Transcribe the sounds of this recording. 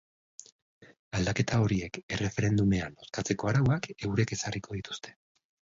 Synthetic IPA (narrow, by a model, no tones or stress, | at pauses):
ald̪ake̞t̪ao̞ɾie̞ke̞re̞fe̞ɾe̞nd̪ume̞ano̞skat͡se̞ko̞aɾawake̞wɾe̞ke̞sariko̞ðit̪u̥st̪e̞̥